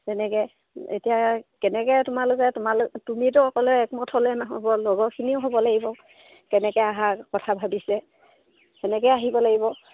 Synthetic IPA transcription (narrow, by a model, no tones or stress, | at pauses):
tɛnɛkɛ | ḛtijakɛnɛkɛtʊmalʊkɛtʊmalʊktumit̬ʊɔkɔlɛɛkmɔtʰɔlɛnaɦɔbɔloɡɔkʰiniʊɦobɔlaɡibɔ | kɛnɛkɛjaɦakɔtʰabʱabisɛ | ɛnɛkɛjaɦibɔlaɡibɔ